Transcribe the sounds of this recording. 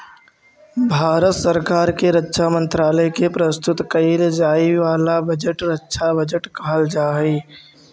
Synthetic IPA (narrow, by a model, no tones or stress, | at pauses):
bʱaːɾət̪səɾkaːɾkeɾətːʃʰamə̃nt̪ɾaːləkepɾəst̪ʊt̪kɐild͡ʒaːiʋaːlabɐd͡ʒəʈɾətːʃʰabɐd͡ʒəʈkʰaːld͡ʒaːiː